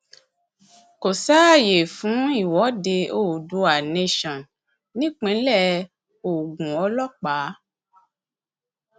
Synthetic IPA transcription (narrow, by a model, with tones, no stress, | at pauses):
ko˨sa˦˨je˨fũ˨˦i˦˨wɔ˨˦de˧o˦˨du˧˦a˨nẽ˦˨ʃɔ̃˨n | nĩ˦k͡pẽ˨˦lɛ˦ | o˨ɡũ˨ɔ˧˦lɔ˦k͡pa˨˦